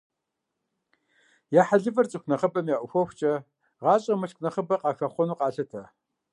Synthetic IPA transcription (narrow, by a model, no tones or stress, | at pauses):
jaːħaɮɨvɐrt͡sʼɨxʷnɐχəbɐmjaːʔʷʊxʷɔxʷt͡ʃʼɐ | ʁɑːɕʼɐmɨɬkʷʰnɐχəbɐqɑːxɐχʷɔnuːqɑːɬɐtʰɐ